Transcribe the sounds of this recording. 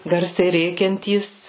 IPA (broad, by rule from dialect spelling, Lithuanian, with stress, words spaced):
ˈɡɐrʲsʲɛɪ ˈrʲeːkʲɛnʲtʲiːs